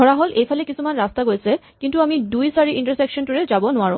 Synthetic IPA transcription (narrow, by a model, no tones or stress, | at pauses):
ɔɹaɦolʔejpʰalɛkisumanɹastaɡojsɛ | kintuamidujsaɹiʔintəɹsɛkʃɔntuɹɛzabɔnʊaɹʊ̃